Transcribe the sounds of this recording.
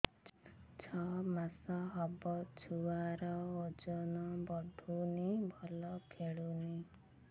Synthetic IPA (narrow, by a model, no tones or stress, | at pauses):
t͡ʃʰɔmasɔɦɔbɔt͡ʃʰuaɾɔod͡ʒɔnɔbɔɖʱunibʱɔlɔkʰeɭuni